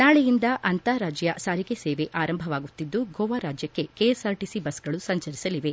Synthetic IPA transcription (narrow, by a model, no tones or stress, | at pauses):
naːɭejind̪ɐʔɐnt̪aɾaːd͡ʒjɐsaːɾiɡeseːʋeʔaːɾɐmbʱɐʋaːɡut̪ːid̪ːuɡoːʋaːɾaːd͡ʒjɐkːe̞kejesaːɾʈisibɐsɡɐɭusɐɲt͡ʃɐɾisɐliʋe̞